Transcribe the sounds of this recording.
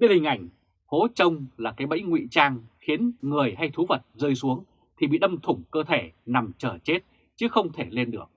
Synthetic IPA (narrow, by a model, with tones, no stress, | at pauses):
ɓi˧˥hŋ̟ʔa˧˩jŋ̟ | fo˨˦t͡ɕə˧wŋ͡mlaː˨˩kaː˨˦jɓə̰˧˥jŋwḭ˧˨t͡ɕaː˧ŋxi˨˦ənŋɨ˨˩əjɦa˧jt̪ʰu˨˦və˨˩t̚zəː˧jsu˨˦əŋ | t̪ʰi˨˩ɓḭ˧˨ɗə˧mt̪ʰʊ˧˩ŋ͡mkəː˧t̪ʰe˧˩na˨˩mt͡ɕəː˧˩t͡ɕe˦˥t̚ | t͡ɕɨ˨˦xə˧wŋ͡mt̪ʰe˧˩le˧nɗɨ˨˩ək̚